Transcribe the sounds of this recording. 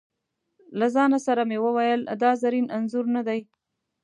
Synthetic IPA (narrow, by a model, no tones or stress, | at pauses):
lazɑnasaɾamewəwajəld̪ɑzaɾinanzuɾnad̪aj